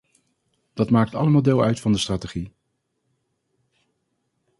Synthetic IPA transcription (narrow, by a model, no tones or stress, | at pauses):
d̥ɑtmaːk̚tɑ̰ləmaːlˠdeːlˠœɥtfɑndəstraːteχi